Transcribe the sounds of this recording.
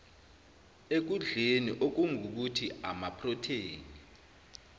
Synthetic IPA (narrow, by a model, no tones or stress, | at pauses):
ek̬uɮeniʔok̬uŋʱuk̬utʰiamapʰrɔtʰeːŋi